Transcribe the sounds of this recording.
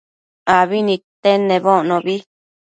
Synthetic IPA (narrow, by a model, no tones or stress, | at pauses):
aβinĩt̪enẽβonõβi